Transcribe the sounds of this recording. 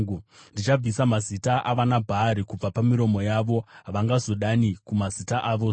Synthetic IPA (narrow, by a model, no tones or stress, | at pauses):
ndit͡ʃab͡visamazitaʔaʋanabʱaːɾikub͡vapamiɾo̞mo̞jaʋo̞ɦaʋaŋɡazo̞ɗanikumazitaʔaːʋo̞